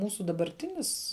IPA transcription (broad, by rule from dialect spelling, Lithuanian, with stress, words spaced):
ˈmuːsʊ dɐbɐrʲˈtʲɪnʲɪs